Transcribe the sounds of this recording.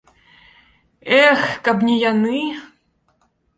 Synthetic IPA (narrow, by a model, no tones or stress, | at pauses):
ɛxkabnʲijanɨ